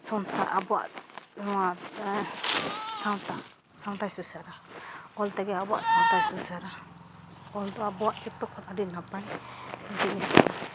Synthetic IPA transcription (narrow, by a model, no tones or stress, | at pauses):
sɔnsa̰ɾʔabɔwa̰ʔnɔa | sawt̪a | sãwt̪ajsusaɾaɔlt̪aɡɛabɔa̰ʔsãw̃t̪ajsusaɾa | ɔld̪ɔabɔwaʔt͡ʃit̪ɔk̚pʰɔtadinapajd͡ʒiʔisa̰